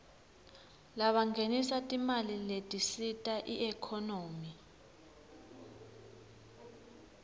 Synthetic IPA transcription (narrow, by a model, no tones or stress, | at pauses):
laɓaŋɡʱenisatʼimaliletʼisitʼaʔiɛkʰɔnoːmi